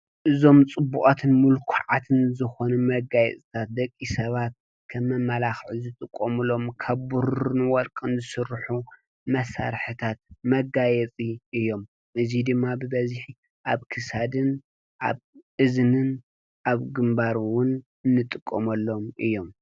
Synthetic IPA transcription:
ʔɨzo̞mt͡sʼɨbːuχʼat̪ʰɨnmulkʰuʕat̪ʰɨnzɨxo̞numɐɡajɛ̰t͡sʼɨt̪ʰat̪̚d̪ɐkʼːisɐβat̪̚ | kʰɐmːɐmːɐlaxʕizɨt̪ʼɨkʼːomɨlo̞mkʰɐβbuɾɨnwɔlkʼɨnzɨsɨɾħu | mɐsa̰ɾħɨt̪ʰat̪̚mɐɡajɛt͡sʼiʔɨjːo̞m | ʔɨzid̪ɨmːabɨbɐziħi | ʔaβkʰɨsad̪ɨn | ʔa̰βʔɨznɨn | ʔaβɡɨmbaɾwʊn | ɨnːɨt̪ʼɨkʼːomɐlːo̞mʔɨ̰jːo̞m

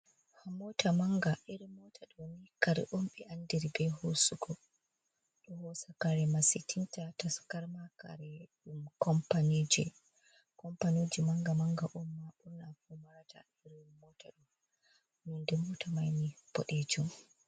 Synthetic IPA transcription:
hamːɔtʰamaŋɡaʔiɾimɔtʰaɗɔnikaɾɛ̰ʔɔmɓɛʔandiɾibɛhosuɡɔ | ɗɔhɔsakaɾɛmasitʰintataskaɾmaka̰ɾɛɗumkɔmpanid͡ʒɛ̰ | kɔmpanid͡ʒimaŋɡamaŋɡaʔumːaɓuɾnafumaɾata̰ | iɾimɔtʰaɗɔ | nindɛmɔtʰamajnib̥ɔɗed͡ʒum

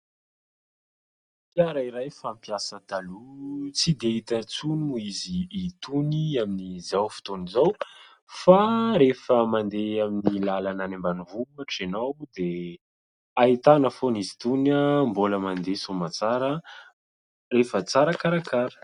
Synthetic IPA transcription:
pjaɾaiɾajfampiasət̪alut͡sid̪eit̪ət͡sunuiziːt̪uniaminizawfi̥t̪onizaw | faɾefəmand̪eaminilalananembanivuaʈ͡ʂinawd̪e | ait̪anəfonizi̥t̪unəmboləmand̪esomat͡saɾə | refət͡saɾəkaɾakaɾə̥

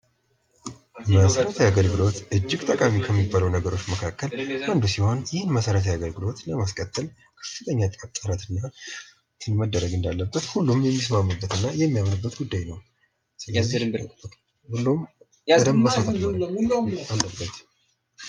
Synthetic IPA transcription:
məsəɾət̪ʰəjaɡəlɡɨlo̞t̪ʔɨd͡ʒːɪɡt̪ʼəkʼamikʰəmːibːaləwnəɡəɾo̞t͡ʃːməkʰakːələnd̪usiho̞njɪhnməsəɾət̪ʰəjaɡəlɡɨlo̞t̪ləmaskʼət̪ʼːɨl | kʰə̥fɨt̪ʰʼəɲːat̪ʼəβt̪ʼɨɾat̪ɨnːa | t̪ʰɨnməd̪ːəɾəɡɨnd̪alːəbːət̪hulːumjɛmːis̬mamːɨbːət̪ɨnːajɛmːijamnɨbːət̪ɡud̪ːajnəw | sɨlzːi | hulːum | əd̪əmːəsat̪ː | alːəbːət̪

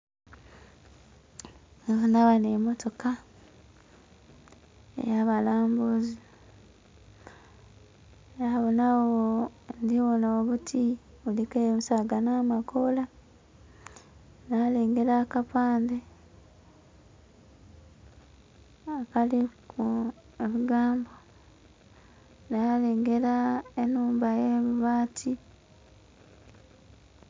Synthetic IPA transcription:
onaβanemotoka | ḛjaβalaːmbuzi | aβonawondiβonoːβutʰi | βulikemusaɡanaːmakola | naːleːŋɡe̞ɾakapaːnde | akaliku | eβiɡaːmbo | naleːŋɡe̞ɾaenuːmbajeβuβaːtʰi

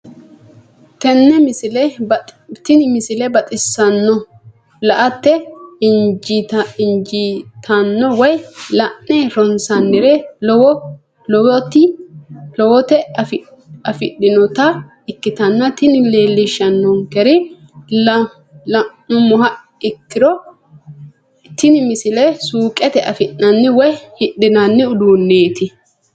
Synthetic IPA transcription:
t̪ɛnːɛmɪsɪlɛ | t̪ɪnɪmɪsɪlɛbɐt̪ʼɪsːɐnːɔ | lɐʔɐt̪ːɛ | tɪnd͡ʒit̪ʰɐnːɔwɔjlɐʔnɛɾɔnsɐnːɪɾɛw | lɔwɔt̪ɪlɔwɔt̪ɛf | ɐfɪɗːɪnɔt̪ɐ | ɪkːɪt̪ɐnːɐt̪ɪnɪle̞ːlːɪʃɐnːɔŋkɛɾɪ | lɐ | lɐʔːʊmʊɦɐ | ɪkːɪɾɔ | t̪ɪnɪmɪsɪlɛsuːkʼɛt̪ɛʔɐfɪnːɐnːɪwɔjhɪɗːɪnɐnːɪʊd̪uːnːeːt̪ɪ

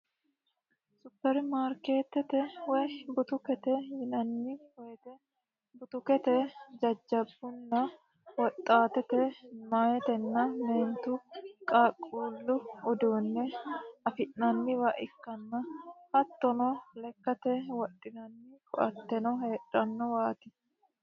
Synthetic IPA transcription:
sʊpːɛɾmaːɾke̞ːt̪ːɛt̪ɛwɛbʊt̪ʊkɛt̪ɛjɪnɐnːiwɔɛt̪ɛ | bʊt̪ʊkɛt̪ɛd͡ʒɐd͡ʒːɐbːʊnːɐ | wɔt̪ʼːaːt̪ɛt̪ɛmaːjɛt̪ɛnːɐmeːnt̪ukʼaːkʼːuːlːʊɔd̪uːnːɛɐfɪʔnɐnːɪwaʔɪkːɐnːɐhɐt̪ːɔnɔlɛkːɐt̪ɛwɔɗɪnɐnːikʼɔʔɐ̰t̪ːɛnɔheːᶑɐnːɔwaːt̪ɪ

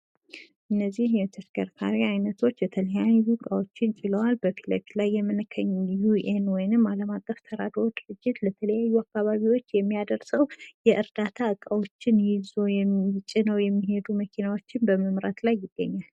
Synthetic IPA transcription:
ʔɨnːəzːihjɛt̪ʰəʃkʰəɾt̪ʰa̰ɾiajnət̪ʰo̞t͡ʃːjɛt̪ʰələjamizɨkʼawo̞t͡ʃːɪnt͡ʃʼɪləwalbəfʰilepilajːɛmɨnɨkʰːəɲːjuʔenwɔjnɨmːaləmakʼːəft̪ʰəɾad̪oɾod̪ɨɾɨd͡ʒːɪt̪lət̪ʰələjajːuakːaβaβiwo̞t͡ʃːjɛmːijad̪əɾsəwjɛʔɨɾd̪at̪ʰaɨkʼawo̞t͡ʃːɪnjɪzo̞jɛɪt͡ʃʼːɪnəwjɛmːiɦe̞d̪uməkʰinawo̞t͡ʃːɪnbəməmɾa̰t̪lajːɪɡːə̰ɲːal

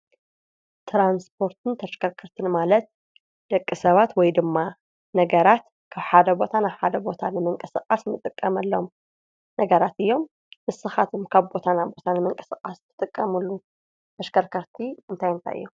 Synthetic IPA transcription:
t̪ʰɾanspʰo̞ɾt̪ʰɨnt̪ʰɐʃkʰɐɾkʰɐɾt̪ʰɨnmalɐt̪̚ | d̪̥ɐkʼːɨsɐβat̪wɔjd̪ɨmːa | nɐɡɐɾat̪ | kʰaβħad̪ɐbo̞t̪ʰanaβħad̪ɐbo̞t̪ʰanɨmɨŋkʼɨsɨkʼasmɨt̪ʼɨkʼːɐmɐlːom | nɐɡɐɾat̪ɨjːo̞m | mɨsɨxat̪ʰomkʰaβbo̞t̪ʰanaβbo̞t̪ʰanɨmɨŋkʼɨ̥sɨkʼast̪ʰɨ̥t̪ʼɨkʼːɐmulːu | t̪ʰɐʃkʰɐɾkʰɐɾt̪ʰiɨnt̪ʰajɨnt̪ʰa̰jʔɨ̰jːu

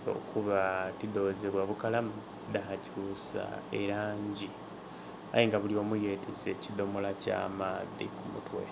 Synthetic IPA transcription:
o̰kʰuβatido̞ːzeβwaβukalamu | d̪ahacuːsa̰eɾaːɲɟi | a̰jiŋɡaβuliomujeːtʰese̞ːcid̪o̞molaca̰ːmaːðikʰumutwḛ

